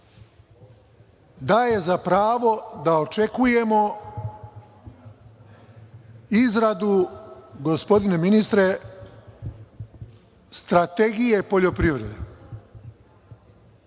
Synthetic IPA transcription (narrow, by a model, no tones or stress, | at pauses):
d̪aːje̞zapɾaːʋo̞d̪ao̞t͡ʃe̞kuje̞mo̞ | izɾad̪uɡo̞spo̞d̪ine̞minist̪ɾe̞ | st̪ɾat̪e̞ɡije̞po̞ʎo̞pɾiʋɾe̞d̪ḛ